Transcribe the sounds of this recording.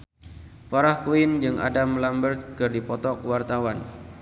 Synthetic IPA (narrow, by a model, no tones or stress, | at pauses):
faɾahkuɪnd͡ʒɨŋʔa̰damlambərt̪̚kɨrdipɔt̪ɔkəwart̪awan